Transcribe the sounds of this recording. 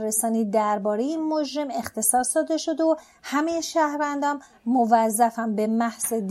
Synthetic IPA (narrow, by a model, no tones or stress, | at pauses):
resɒːniːd̪æɾbɒːɾejeinmod͡ʒɾe̞me̞xt̪ʰe̞sɒːsd̪ɒːd̪e̞ʃo̞d̪o | hæme̞jeʃæhɾvænd̪ɒːnː | ovæzːæfæmbe̞mæhz̥ed̪